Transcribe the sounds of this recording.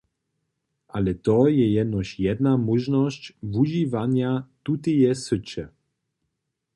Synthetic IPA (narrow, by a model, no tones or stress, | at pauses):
ʔalɛt̪ɔjɛjɛd̪nɔʃjɛd̪namɔʒnɔscvuʒivaɲjat̪ut̪ijɛsət͡ɕɛ